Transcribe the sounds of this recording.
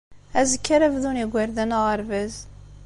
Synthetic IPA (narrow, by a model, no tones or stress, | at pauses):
æzəkːəɾævðuniɡʷːaɾðænaʁəɾvæz